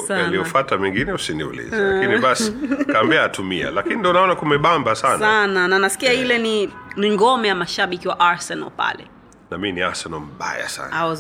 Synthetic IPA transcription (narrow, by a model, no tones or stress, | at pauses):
saalijɔfatamɛŋɡinɛusiniṵlḭzlakiniɓasikaːmbiaːtumia̰lakinindɔnaɔnakumɛɓambasansanananasi̥kiailɛniniŋɡɔmɛjamaʃaɓikiwaʔaɹsɛna̰lpa̰lɛ̰ | naminiasɛnɔm̩ɓa̰ja̰sa̰na